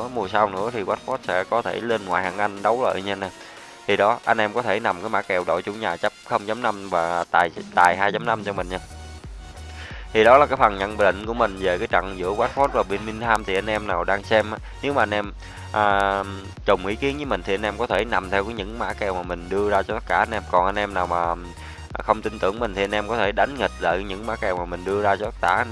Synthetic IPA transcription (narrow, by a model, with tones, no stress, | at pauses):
ɨ˧mu˨˩əsa˧wnɨ̰˧˥ət̪ʰi˨˩waː˦˥t̚fɔ˦˥t̚sɛ̰˧˥kɔ˨˦t̪ʰe˧˩le˧nŋwaː˨jhaː˨˩ŋʔa˧jŋ̟ɗə˨˦wlə̰ː˧˨jɲə˧na˨˩ | t̪ʰi˨˩ɗɔ˨˦ʔa˧jŋ̟ʔɛ˧mkɔ˨˦t̪ʰe˧˩na˨˩mkaː˨˦jmaː˧˥kɛ˨˩wɗo̰˧˨t͡ɕʊ˧ŋ͡mɲaː˨˩t͡ɕə˦˥p̚xə˧wŋ͡mt͡ɕa˨˦mna˧mvaː˨˩t̪aː˨˩jt̪aː˨˩jɦaː˧jt͡ɕa˨˦mna˧mt͡ɕɔ˧mï˨˩ŋ̟ɲaː˧ | t̪ʰi˨˩ɗɔ˨˦laː˨˩kaː˨˦jfa˨˩ŋɲə̰˧˨n˨˩ɗḭ˧˨ŋ̟ku˧˩əmï˨˩ŋ̟ve˨˩kaː˨˦jt͡ɕə̰˧˨ŋzɨ̰˧˥əkwaː˦˥t̚fɔ˦˥t̚vaː˨˩ɓi˧˨ənmï˧ŋ̟t̪ʰaː˧mt̪ʰi˨˩ʔa˧jŋ̟ʔɛ˧mnaː˨˩wɗaː˧ŋsɛ˧mʔaː˨˦ne˨˦wmaː˨˩ʔa˧nʔɛ˧m | ʔəː˨˩ | t͡ɕə˨˩wŋ͡mʔḭ˨˧˦ki˨˦ənɲɨ˧˦mi˨˩ŋt̪i˨˩ʔa˧nʔɛ˧mkɔ˨˦t̪ʰe˧˩na˨˩mt̪ʰɛ˧wkɔː˨˦ɲɨ̰˧˥ŋma̰ː˧˥kɛ˨˩wmaː˨˩mï˨˩ŋ̟ɗɨ˧əzaː˧t͡ɕɔ˧t̪ə˦˥t̚kaː˧˩ʔa˧nʔɛ˧mkɔ˨˩nʔa˧nʔɛ˧mnaː˨˩wmaː˨˩˨ | xə˧wŋ͡mt̪ï˧nt̪ɨ˧˩əŋmï˨˩ŋ̟t̪i˨˩a˧nʔɛ˧mkɔ˨˦t̪ʰe˧˩ɗa˨˦jŋ̟ŋï˨˩k̚lə̰ː˧˨˩ɲɨ̰˧˥ŋmaː˧˥kɛ˨˩wmaː˨˩mï˨˩ŋ̟ɗɨ˧əzaː˧t͡ɕɔ˧t̪ə˦˥t̚tkaː˧˩